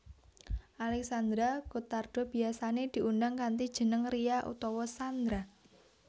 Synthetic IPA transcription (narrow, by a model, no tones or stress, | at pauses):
ʔalɛksand̪ɾakut̪ard̥ɔ̤b̥i̤asaned̪̥i̤ʔundaŋkant̪id̥ʒ̥ə̤nəŋrijaʔṵt̪ɔwɔsand̪ɾa